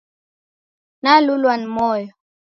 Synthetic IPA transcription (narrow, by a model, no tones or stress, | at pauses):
nalulwanimɔːjɔ